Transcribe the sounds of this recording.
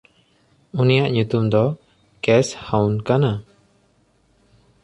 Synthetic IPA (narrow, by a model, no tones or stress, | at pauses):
unijaʔɲut̪umd̪ɔ | kɛshawnkana